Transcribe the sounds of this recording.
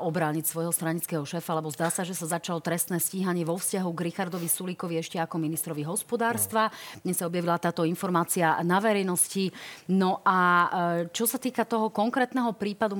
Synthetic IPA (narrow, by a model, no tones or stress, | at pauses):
ɔbɾaːɲicsʋɔjɦɔst̪ɾaɲit͡skɛːɦɔʃɛːfaalɛbɔzd̪aːsaʒɛsazat͡ʃalɔt̪ɾɛst̪nɛːsciːɦaɲɪɛʋɔfscaɦuɡɾixaɾd̪ɔʋisulikɔʋiɛʃcɛakɔminist̪ɾɔʋiɦɔspɔd̪aːɾst̪ʋadɲɛsaɔbjaʋilat̪aːt̪ɔinfɔɾmaːt͡sianaʋɛɾɛjnɔscinɔʔa | t͡ʃɔsat̪iːkat̪ɔɦɔkɔŋkɾɛːt̪nɛɦɔpɾiːpad̪u